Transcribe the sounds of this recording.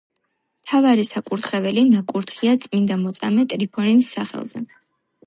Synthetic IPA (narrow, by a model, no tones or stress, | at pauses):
mt̪ʰavaɾisakʼuɾt̪ʰχɛvɛlinakʼuɾt̪χiat̪sʼmind̪amɔt̪sʼa̰mɛt̪ʼɾipʰɔɾinsːaχɛ̰lˠz̥ɛ̰